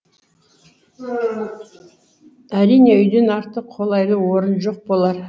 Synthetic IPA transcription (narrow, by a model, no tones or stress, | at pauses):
æɾijne̞ʏjd̪e̞nɑɾt̪əqqʰːo̞lˠɑjlˠəwoɾənʒo̞q̚bo̞lˠɑɾ